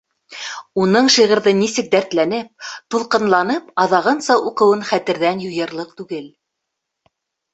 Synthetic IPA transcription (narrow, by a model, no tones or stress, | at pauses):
unɤɴʃiʁɤ̆ɾðɤnisɘ̆k̚d̪æɾt̪lænɘp̚t̪ulˠqɤ̆nlˠɑnɤpɑðɑʁɤnsɑʔuqɤ̆wɤnχæt̪ɘ̆ɾðænjŭjɤ̆ɾlˠɤq̚t̪ʉɡɘl